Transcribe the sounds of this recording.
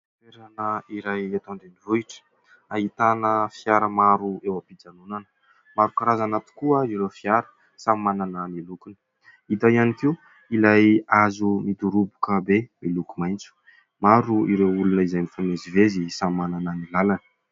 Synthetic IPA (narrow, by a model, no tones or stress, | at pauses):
teɾanəiɾajet̪õnd̪enivuiʈ͡ʂə̥ | aɦit̪anəfiaɾəmaɾuewapid͡zanunanə̥ | maɾukaɾazanat̪u̥kuəilofiaɾə̥ | sammanananilukunə̥ | it̪aianikiw | ilajazumit̪uɾubukəbemilukumajnt͡su̥ | maɾuiɾewulunəizajmifamezivezisammanananilalanə̥